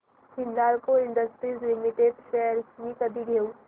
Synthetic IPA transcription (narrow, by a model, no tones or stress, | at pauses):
kɪnd̪aːlkoɪ̃ɳɖəsʈɾiːzlɪmɪʈeɖʃɛəɾkmikɐd̪iɡʱeːu